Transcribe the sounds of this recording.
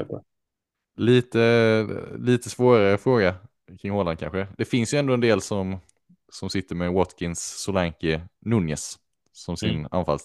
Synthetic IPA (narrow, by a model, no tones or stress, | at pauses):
liːt̪ə | liːt̪əsvoːɾaɾəfɾoːɡa | kʰɾɪŋːhoːlankʰa̰nɧəd̪̥ɛfɪnsjɵɛnd̪oːɛnd̪eːlsɔm | sɔmsɪt̪ːəɾmɛwɔt̪kʰɪnsːʊlaŋkənʊnjəs | sɔmsɪna̰nfa̰ls